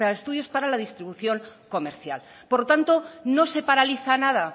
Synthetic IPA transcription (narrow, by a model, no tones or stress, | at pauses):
eaest̪uðjo̞spaɾalaðist̪ɾiβuθjo̞ŋko̞me̞ɾθja̰l | poɾlot̪ant̪o̞no̞se̞paɾaliθanaða